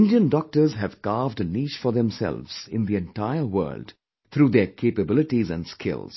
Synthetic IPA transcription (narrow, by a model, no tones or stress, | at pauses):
nɖiə̃nɖɔk̚ʈə˞zɦæv̥kɑːvdəniːʃfɔðɛ̃msɛ̰lˠvz̥ɪ̃nd̪iɛ̃nʈaɪəwə̰ːlɖ | t̪ʰɾuːd̪ɛkʰeːpəbɪlɪʈizæ̃nɖskʰɪ̰lˠz̥